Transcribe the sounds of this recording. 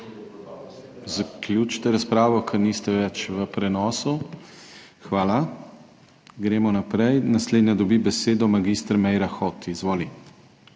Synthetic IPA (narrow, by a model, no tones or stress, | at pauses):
zaklʲjut͡ʃt̪ɛɾaspɾaːʋɔkʰɛɾniːst̪ɛʋɛt͡ʃʋəpɾɛnɔːsu | xʋaːla | ɡɾeːmɔnapɾɛjnasleːd̪nʲjad̪ɔbibɛseːd̪ɔmaɡiːst̪ɾmɛjɾaxɔːt̪izʋoːli